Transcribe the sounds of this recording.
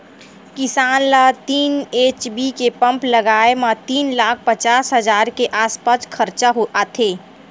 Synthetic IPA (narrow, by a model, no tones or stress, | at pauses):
kɪsaːnlat̪iːneːt͡ʃbikepə̃mpləɡaːemat̪iːnlaːkʰpət͡ʃaːsɦəzaːɾkeʔaːspaskʰəɾt͡ʃaɦoat̪ʰeː